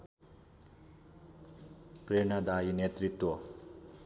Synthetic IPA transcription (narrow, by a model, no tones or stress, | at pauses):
pɾeɳad̪ajinet̪ɾit̪wɔ